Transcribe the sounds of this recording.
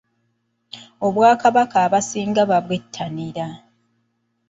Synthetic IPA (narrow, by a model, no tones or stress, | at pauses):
o̞βwaːkaβakaːβasiːŋɡaβaβwe̞tʰːaniɾa